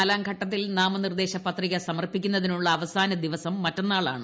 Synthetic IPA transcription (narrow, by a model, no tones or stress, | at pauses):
ɐlaːŋɡʱɐʈːɐt̪̬ːilnaːmɐnird̪e̞ːɕɐpɐt̪riɣɐsɐmɐrpikʲːunːɐðinuɭːɐːʋɐsaːnɐd̪iʋɐsɐmːɐtːɐnːaːɭaːɳɨ